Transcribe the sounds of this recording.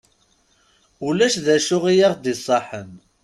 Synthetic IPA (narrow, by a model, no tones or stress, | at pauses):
ulæʃðæʃʊʁijɑʁd̪isˤɑħən